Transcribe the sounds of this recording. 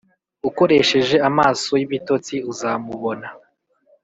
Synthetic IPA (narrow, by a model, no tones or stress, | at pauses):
uko̞ɾe̞ʃe̞ʒe̞amaːso̞jiβito̞t͡siuzamuβo̞na